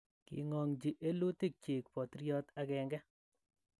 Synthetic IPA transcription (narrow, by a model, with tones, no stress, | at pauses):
kḭ˨ŋɔ˨ŋd͡ʒi˨ʔe˦lu˦ti˦k̚t͡ʃe˨k̚pɔ˨tɾjɔ˦ta˦kɛ˨ŋɡɛ˦